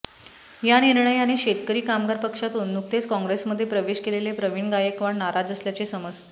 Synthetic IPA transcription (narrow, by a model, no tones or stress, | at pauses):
janiɾɳəjaneɕet̪kəɾiːkamɡaɾpəkʂat̪onːuk̚t̪et͡skɔ̃ŋɡɾesməd̪ʱːjepɾəʋeɕkelelepɾəʋiɳɡajəkʋaɳnaɾad͡zəsljat͡sesəməd͡z